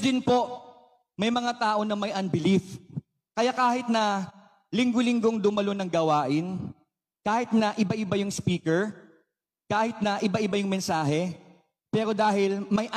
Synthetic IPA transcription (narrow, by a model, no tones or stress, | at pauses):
d̪ɪnpo̞ | mɐjmɐŋat̪aːʔo̞nɐmɐjʔɐnbɪlif | kɐjakaːhɪt̪̚nɐ | lɪŋɡolɪŋɡo̞ŋd̪ʊmɐlo̞nɐŋɡɐwaːʔɪn | kaːhɪt̪̚nɐʔɪbaʔɪbajʊŋspiːkɛɹ | kaːhɪt̪̚nɐʔɪbaʔɪbajʊŋmɛnsaːɦɛ | pɛːɾo̞d̪aːhɪlmɐjʔ